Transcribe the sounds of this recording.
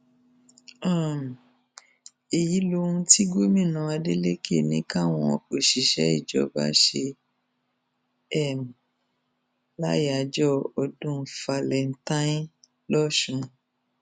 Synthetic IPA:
ã˦˨m˨ | e˨ji˨˦lo˧ũ˧ti˦ɡo˦mĩ˦˨nã˨˧˦a˧de˦le˦ke˦˨nĩ˦ka˦˨w̃ɔ̃˧ɔ˧˨k͡po˨ʃi˨ʃɛ̰˨˦i˦˨d͡ʒɔ̰˨˦ba̰˨˦ʃe˧ | ɛ˦˨m̩˨ | la˦ja˨d͡ʒɔ˦ɔ˧dũ˦fa˧lɛ˨n̩˦tã˦ĩ˦ | lɔ˦ʃũ˧˦

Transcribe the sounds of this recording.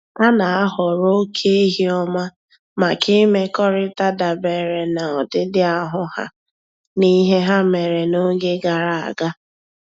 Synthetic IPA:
a˦na˨a˦ɦɔ˨ɾo˦kʰe˦i˦ɦi˦ɔ˦ma˦ | ma˨kʰe˦me˦kɔ˦ɾɪ˦ta˦da˨be˨ɾe˨na˨ɔ˨dɪ˦dɪ˦a˦ɦʊ˦ha̰˨ | ni˦ɦe˦ɦa˦me˨ɾe˨no˦ɡe˦ɡa˨ɾa˨a̰˨ɡa˦

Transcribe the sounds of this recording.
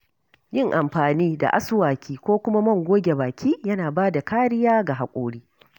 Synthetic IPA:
jɪ˦˨ŋʔa˨mɸaː˨niː˦da̰˨ʔa̰˦sʊ˦waː˨kʲʰiː˦kʷoː˦kʷʊ˦ma˦mɐ˦˨ŋɡʷoː˦ɡʲe˨baː˨kʲʰiː˦jɐ˦naː˨baː˦da˨kaː˦ɽɪ˦jaː˦ɡa˨ɦa˨kʷʼo̰ː˦ɽiː˦

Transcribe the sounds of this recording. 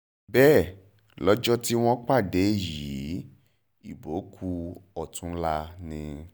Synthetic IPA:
bɛː˦˨ | lɔ˦d͡ʒɔ˦ti˦w̃ɔ̃˦k͡pa˦˨de˨˦˨ji˨˦ | i˦˨bo˨˦kʰu˧ɔ˦˨tũ˨˦la˧nĩ˧

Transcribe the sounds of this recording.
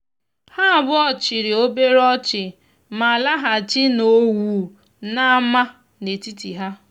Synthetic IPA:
ha˦a˨bʊ˦ɔ˦t͡ʃɪ˨ɾɪ˨o˦be˦ɾɔ˦t͡ʃɪ˨ | ma˨la˦ɦa˨t͡ʃɪ˦no˦wuː˨ | na˦ma˦ | ne˨ti˦ti˨ɦa˦

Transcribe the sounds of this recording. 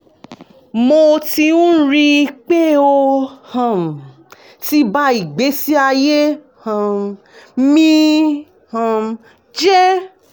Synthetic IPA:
mo˧ti˧ũ˦ɾi˧i˧k͡pe˦o˧hã˨m̩˨ | ti˦ba˦i˨ɡ͡be˨˦si˦a˧je˦ | hã˨ | mĩ˦ | hã˨˧ | d͡ʒɛ˦

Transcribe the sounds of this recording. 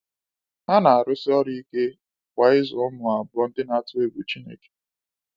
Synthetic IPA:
ha˦na˨a˨ɾʊ˦sɪ˦ɔ˦ɾi˦i˦ke˦ | kʷa˨ɪ˦zɔ˨ʊ˦mʊ˨a˨bʊ˦ɔ˦n̩˦dɪ˦na˨a˦tʊ˦e˦ɡu˨t͡ʃi˦nḛ˨ke̥˨

